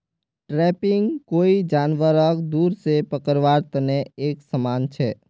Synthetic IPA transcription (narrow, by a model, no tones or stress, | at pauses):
ʈɾɛːpɪ̃ŋɡkoːid͡ʒaːnʋəɾəkd̪uːɾsepəkəɾʋaːɾt̪əneeːksəmaːnt͡ʃʰɛ̰ː